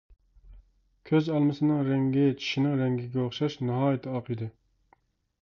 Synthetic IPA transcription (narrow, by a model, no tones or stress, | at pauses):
kʲʰøzɑlˠmɨsɨnɨŋɾɛŋɡʲɪt͡ʃʰi̥ʃinɪŋɾɛŋɡʲiɡʲɛoχʃɑʃnɑɦɑːjɪt̪ʰɛɑqɨd̪ɨ